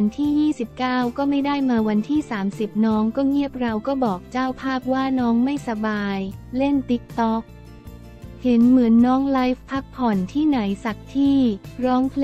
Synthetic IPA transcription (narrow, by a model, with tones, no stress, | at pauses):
a˧nt̪ʰiː˥˩jiː˥˩si˨˩p̚kaː˥˩wkɔː˥˩ma˥˩jda˥˩jmaː˧wa˧nt̪ʰiː˥˩saː˩˦msi˨˩p̚nɔː˦˥ŋkɔː˥˩ŋi˥˩əp̚ɾa˧wkɔː˥˩bɔː˨˩k̚t͡ɕaː˥˩wpʰaː˥˩p̚waː˥˩nɔː˦˥ŋma˥˩jsa˧baː˧jle˥˩nt̪i˦˥k̚t̪ɔ˦˥k̚ | he˨˩˦nmɯ˩˦ənːɔː˦˥ŋla˦˥jfpʰːa˦˥k̚pʰɔ˨˩nt̪ʰiː˥˩na˩˦jsa˨˩k̚t̪ʰiː˥˩ɾɔː˦˥ŋpʰl